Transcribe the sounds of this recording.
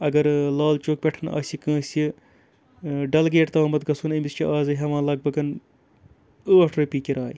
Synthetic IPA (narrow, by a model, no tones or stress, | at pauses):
ɐɡɐɾlaːlt͡ʃuːk̚pʲeʈʰɐnɐ̰sʲikɐ̃ːsʲi | ɖɐlɡeːʈt̪aːmɐt̪ɡɐsuːnɐmist͡ʃʰiʔaːzɐɦɐmãːlɐɡ̚bɐɡɐn | əːʈʰɾɐpiːkiɾaːj